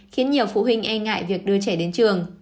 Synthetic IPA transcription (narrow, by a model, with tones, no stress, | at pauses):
xi˨˦ənɲi˨˩əwfṵ˧˨ɦï˧ŋ̟ʔɛ˧nŋa̰ː˧˨jvi˨˩ək̚ɗɨ˧ət͡ɕɛ˧˩ɗe˨˦nt͡ɕɨ˨˩əŋ